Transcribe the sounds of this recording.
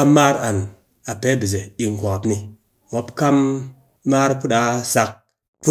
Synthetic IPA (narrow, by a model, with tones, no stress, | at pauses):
a˦mːa˦ɾa˨n | a˨pe˨˦bi˨z̬e˨ɗi˨ŋ˨kʷa˨ka˨pni˧ | wo˦pka˦mː | a˦ɾpu˦ɗa˨˦sa˦k̚ | pu˦